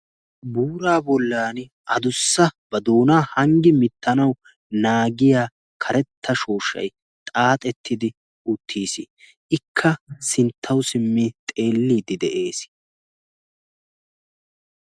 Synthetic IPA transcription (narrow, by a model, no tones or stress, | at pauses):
buːɾaːbɔlːaːn | ʔɐd̪ʊsːɐb̥ɐd̪oːnaːhɐŋɡɪmɪt̪ːɐnɐw | naːɡɪjaː | kʰɐɾɛt̪ʰːɐʃo̞ːʃɐ̰j | t̪ʼaːt̪ʼɛt̪ʰːɪd̪ɪ | ʊt̪ʰːiːsɪ | ʔɪkʰːɐsɪnt̪ʰːɐwsɪmːit̪ʼe̞ːlːiːd̪ɪd̪ɛʔe̞ːs